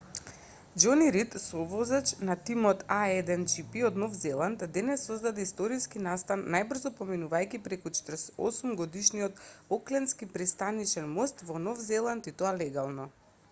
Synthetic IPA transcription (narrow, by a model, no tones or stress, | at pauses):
d͡ʒɔniɾit̪sɔvɔzat͡ʃnat̪imɔt̪aɛd̪ɛnd͡ʒipiɔd̪nɔfzɛlˠant̪d̪ɛnɛsːɔzd̪ad̪ɛist̪ɔɾiskinast̪anːajbr̩zɔpɔminuvajkʲipɾɛkut͡ʃɛ̥t̪əɾɔ̰sumɡɔd̪iʃniɔt̪ɔklɛnskipɾist̪anit͡ʃɛnmɔst̪vɔnɔfzɛlˠant̪it̪oalɛɡalˠnɔ